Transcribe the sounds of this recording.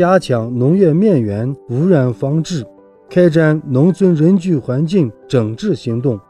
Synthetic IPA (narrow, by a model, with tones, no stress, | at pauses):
ja˥t͡ɕʰjɑ˧˥ŋnʊ˧˥ŋɥɛ˥˧mjɛ˥˩nɥɛ˧˥nu˧˥ɻa˧˥nfɑ˥ŋʈ͡ʂɻ̩˥˩ | kʰa˥ɪʈ͡ʂa˥˩nnʊ˧˥ŋt͡sʰwə˥nɻə˧˥nt͡ɕy˥˩xwa˧˥nt͡ɕi˥˩ŋʈ͡ʂɤ˨˩ŋʈ͡ʂɻ̩˥˩ɕi˧˥ŋt̪ʊ˥˩ŋ